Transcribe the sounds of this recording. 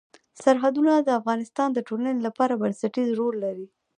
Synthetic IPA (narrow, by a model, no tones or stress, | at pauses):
saɾɦad̪unad̪əafɣɑnɪst̪ɑnd̪əʈolanelapɑɾabansaʈizɾolːaɾi